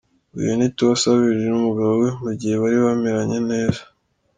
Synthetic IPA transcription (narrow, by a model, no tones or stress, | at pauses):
ṵjonituβasaβiʒenumuɡaβowemuɟihe̞βaɾiβameɾaɲe̞ne̞ːza